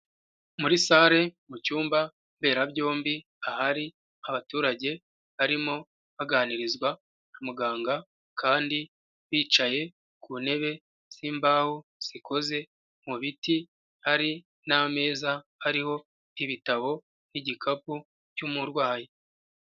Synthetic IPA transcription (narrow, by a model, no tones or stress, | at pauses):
muɾisaːɾe̞mucuːmba | mbe̞ːɾabɟo̞ːmbi | ahaɾi | aβatuːɾaɟe̞ | βaɾimo̞ | βaɡaːniɾizɡwa | amuɡaːŋɡa | kʰaːndi | βiːt͡ʃaje̞ | kʰuːne̞βe̞ | z̥imbaːhuz̥iko̞ze̞ | muβiti | haɾi | name̞ːzahaɾiho̞ | iβitaβo̞ | niɟikʰapu | cumuɾwaːje